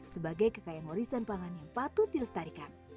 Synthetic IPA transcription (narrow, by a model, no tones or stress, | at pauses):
səbaɡajkəkajanwɔɾisanpaŋanjaŋpat̪ut̪̚diləst̪aɾikan